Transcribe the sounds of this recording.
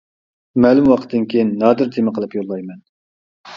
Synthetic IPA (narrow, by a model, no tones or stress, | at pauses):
mɛlˠumwɑqʰət̪ʰːd̪ɨnkʲʰejinːɑːd̪ɨɾt̪ʰemɪqʰəlˠɨpjolˠːɑjmɛn